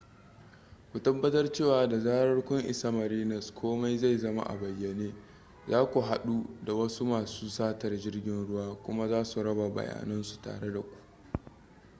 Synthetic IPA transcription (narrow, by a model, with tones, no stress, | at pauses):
kʷu˨tɐ˦bːɐ˦tɐ˦rt͡ʃeː˦˨waː˨da˨zaː˦ɾɐ˦rkʷʊ˦ŋʔɪ˨sa˦mɐ˨ɾiː˦nɐ˨skʰʷoː˦ma˦jza˦˨jzɐ˦ma̰˦ʔa̰˨bɐ˨jːɐ˨neː˦ | zaː˦kʷu˨ɦa˨ɗu˦da˨wɐ˦su˦maː˨suː˦saː˦tɐ˨rd͡ʒɪ˦rɡʲɪ˦nɽʊ˦waː˦kʷʊ˦ma˦zaː˦su˨ɽɐ˦ba˨bɐ̰˨ja̰ː˨nɐ˦nsu̥˨ta̰ː˨ɽe˦da˨kʷu̥˦ʔ